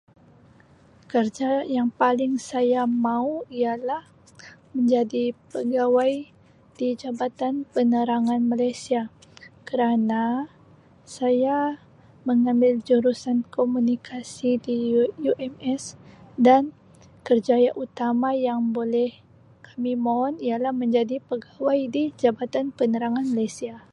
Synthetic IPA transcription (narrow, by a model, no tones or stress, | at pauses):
kərd͡ʒajaŋpalɪŋsajamauialah | məɲd͡ʒadipəɡawaj | d̥id͡ʒabat̪anpənəɾaŋanmalajsiakəɾana | saja | məŋambɪld͡ʒuɾusankomunikʰasidijuʔɛmɛsdan | kərd͡ʒajaʔut̪amajaŋbolɛh | kʰamimoɦɔnialahməɲd͡ʒadipəɡawajdid͡ʒabat̪anpənəɾaŋanmalajsia